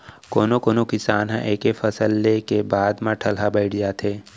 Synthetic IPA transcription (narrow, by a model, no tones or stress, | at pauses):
koːnokoːnokɪsaːnɦɛ̰̃ʔeːkefɐsəlːekebaːd̪mãʈʰɐlɦabəɪʈʰd͡ʒaːt̪ʰeː